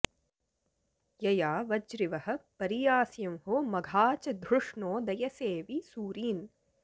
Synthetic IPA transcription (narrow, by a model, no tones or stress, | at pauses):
jɐjaːʋɐd͡ʒɾiʋɐhɐ̆pɐɾijaːsjɐmɦoːmɐɡʱaːt͡ʃɐd̪ʱɾuʂɳoːd̪ɐjɐseːʋisuːɾiːn